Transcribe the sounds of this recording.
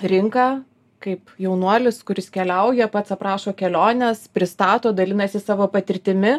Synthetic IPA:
ɾʲɪŋkɑː | kɐɪpjɛʊnuɔlʲɪskʊɾʲɪskʲɛlʲɛʊjɛpɐt̪sɐpɾɑːʃoːkʲɛlʲoːnʲɛspʲɾʲɪst̪ɑːt̪oːd̪ɐlʲɪnɐsʲɪsɑːʋoːpɐt̪ʲɪɾʲt̪ʲɪmʲɪ

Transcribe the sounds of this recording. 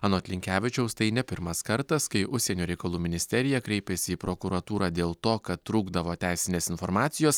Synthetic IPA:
ɑːnoːɐt̪ʲlʲɪŋʲkʲæːʋʲɪt͡ʃʲɛʊst̪ɐɪnʲɛpʲɪɾmɐskɐɾt̪ɐskɐɪʔʊʃʲsʲeːnʲoːɾʲɛɪkɐlˠuːmʲɪnʲɪsʲt̪ʲɛɾʲɪjɛkɾʲɛɪpʲɛsʲɪiːpɾoːkʊɾɐt̪uːɾɑːd̪ʲeːlˠt̪oːkɐt̪t̪ːɾuːɡd̪ɐʋoːt̪ʲæˑɪsʲɪnʲeːsɪnfoɾmɑːt̪sʲɪjoːs

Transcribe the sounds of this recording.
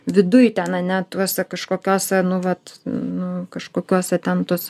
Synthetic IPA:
ʋʲɪd̪ʊjt̪ʲɛnɐnʲɛt̪uɔsʲɛkɐʃkoːkʲoːsʲɛnʊʋɐt̪nʊkɐʃkoːkʲuɔsʲɛt̪ʲɛnt̪uɔsʲ

